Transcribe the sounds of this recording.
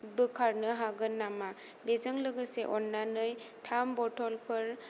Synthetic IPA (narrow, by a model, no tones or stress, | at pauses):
bɯkʰaɾnɯɦaɡɯnːama | bezɯŋlɯɡɯseʔɔnːanɯjtʰambɔtʰɔlpʰɯɾ